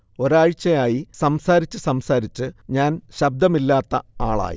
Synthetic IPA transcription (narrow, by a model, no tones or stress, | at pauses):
o̞ɾaːɻt͡ɕːɐjaːjisɐmsaːɾit͡ɕːɨsɐmsaːɾit͡ɕːɨɲaːnɕɐb̚d̪ɐmilːaːt̪ːɐaːɭa̰ːjḭ